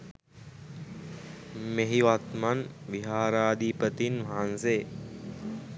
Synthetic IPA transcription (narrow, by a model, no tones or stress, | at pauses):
meɦiʋat̪manʋiɦaːɾaːd̪ʱipət̪inʋaɦanseː